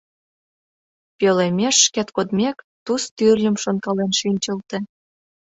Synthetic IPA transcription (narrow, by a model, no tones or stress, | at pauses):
pʲølemʲeʃːket̪kod̪mʲek | t̪ust̪yrlʲə̆mʃonkɑlenʃinʲt͡ɕə̆lt̪ĕ